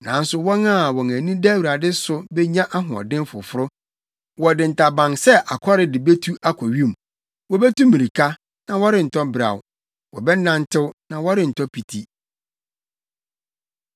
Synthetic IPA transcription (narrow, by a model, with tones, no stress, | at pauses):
nã˨˦n̩˦sʊ˦wɔ̃˦nã˦˨wɔ˨ŋæ̃˨nĩ˦dæ˦wi˨ɾa˨dɪ˦sʊ˦bɛ˦ɲã˦ʔa˦ɦʊ̃˨ɔ̰˨dɪ̃˦nfʊ˨fʊ˦ɾʊ˦ | wɔ˨dɪ̃˨n̩˨tʰa˨bã˨nsɛ˦ʔa˨kʰɔ˦ɾɪ˨dɪ˨be˦tʰu˦ʔa˦kʰɔ˨ɥi˦˨m̩˨ | wɔ˦bɛ˦tũ˦mːĩ˨ɾi˨kʰa˦ | nã˨wɔ˦ɾɪ˦˨n̩˨tʰɔ˦bɾa̰˨w | wɔ˨bɛ˦nã˦n˦tʰɪ˦wnã˨wɔ˦ɾɪ˦n̩˨tʰɔ˦pʰi˨tʰi˦